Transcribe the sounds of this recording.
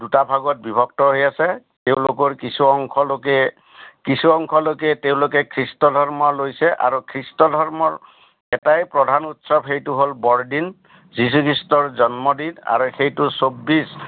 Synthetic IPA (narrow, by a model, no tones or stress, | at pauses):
dutabʱaɡɔt̚bibʱɔk̚tɔɦojasɛteʊ̃lokɔɹkisuɔŋkʰɔlokɛ | kisuɔŋkʰɔlokɛteʊ̃lokɛkʰɹistɔdʱɔɹmɔlojsɛʔa̰ɹukʰɹistɔdʱɔɹmɔɹ | ɛtajpɹɔdʱanutsɔbxejtuɦolbɔɹdin | zis̬ukʰɹistɔɹzɔnmɔdida̰ɹuxejtusobːis